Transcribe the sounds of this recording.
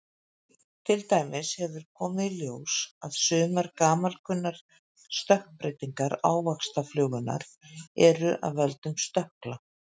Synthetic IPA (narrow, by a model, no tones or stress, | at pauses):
t̪ʰɪlt̪aːjmɪshɛvʏɾ̥kʰɔːmɪðljoːwsaðsʏːmaɾkaːmalkʰʏnːaɾ̥ | st̪œhknpɾejt̪iŋkaɾaːwvakst̪aflœːɣʏna̰ɾ̥ɛɾʏʔa̰ðvɛlt̪ʏmst̪œhkla